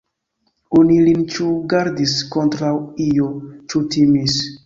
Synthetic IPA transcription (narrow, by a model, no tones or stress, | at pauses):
onilint͡ʃuɡaɾdiskontɾawijot͡ʃutimis